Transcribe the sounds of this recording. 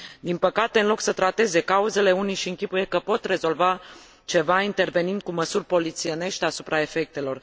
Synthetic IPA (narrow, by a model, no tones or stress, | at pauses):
d̪inpəkat̪e̞ɨnlo̞ksət̪ɾat̪e̞ze̞kauze̞le̞unijʃiɨŋkʲipuje̞kəpo̞t̪re̞zo̞lva | t͡ʃe̞vaint̪e̞rve̞nind̪̚kuməsurʲpo̞lit̪sie̞ne̞ʃt̪easu̥pɾae̞fe̞k̚t̪e̞lo̞r